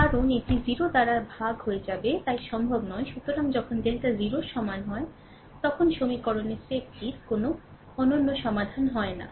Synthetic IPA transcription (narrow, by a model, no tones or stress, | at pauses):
kaɾoneʈiziɾod̪aɾaɾbʱaɡɦoed͡ʑabet̪ajʃɔmbʱobnɔeʃut̪oɾaŋd͡ʑɔkʰonɖelʈaziɾoɾʃɔmanɦɔe | t̪ɔkʰonʃomikɔɾonesek̚ʈiɾkono | ɔnonːoʃɔmad̪ʱanɦɔena̰